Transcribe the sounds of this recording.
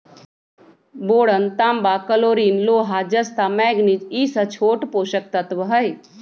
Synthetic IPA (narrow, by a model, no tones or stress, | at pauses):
boːɽənt̪aːmbaːkəloːɾiːnloːɦad͡ʒɐst̪aːmɛːɡnit͡ʃiːsət͡ʃʰoːʈpoːʃək̚t̪ət̪ʋəɦəj